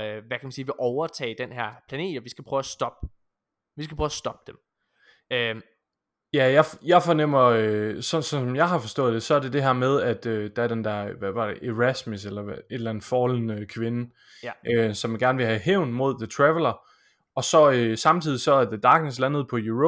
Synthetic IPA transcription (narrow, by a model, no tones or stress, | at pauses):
ʋækʰæmænsiːʋe̝ʔɒʊɐt͡sʰɛ̰ːd̥enɦæɐ̰pʰlæne̝̰ːd̥ɒʋisɡ̥æpʰʁœʊæsd̥ɒb̥̚ | ʋisɡ̥æpʰʁœːʊsd̥ɒ̽b̥̚d̥em | ø | jæjɑɪfjɑ̈ɪfɒnem̰ɐøsɒ̽nsɒ̽nsɒ̽mjɑ̈ɪɦɑ̈fɒ̽sd̥ɔ̰̽ːð̥ˠe̝sɒ̽æɐde̝d̥e̝ɦɛɐ̰með̞ˠæd̥ød̥æɐd̥end̥æɐʋæʋɑ̈d̥eʔeʁæsmiselɐe̝d̥lænðˠfɒːlənəkʰʋe̝nə | ʔøsɒ̽mænɡ̥æɐnʋe̝ɦæɦeʊ̰nmo̝ð̞̰ˠðət͡sʰʁɛʋəlɐ | ɒ̽sɒ̽øsɑ̈mt͡sʰið̰ˠisɒ̽æɐðed̥ɑ̈ːɡ̥neslænəð̞̩ˠpʰɒ̽ju